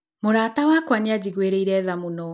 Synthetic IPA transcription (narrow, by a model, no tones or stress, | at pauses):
moɾaːtawakwanead͡ʑiɣweɾeiɾɛːðamunɔ